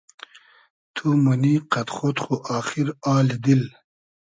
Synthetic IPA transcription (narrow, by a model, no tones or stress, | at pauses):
t̪ʰumuniqɐt̪χot̪χoʔaːxiɾaːlid̪il